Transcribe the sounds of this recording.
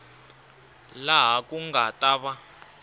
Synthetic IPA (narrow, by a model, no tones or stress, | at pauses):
laɦakuŋɡatʼaːβa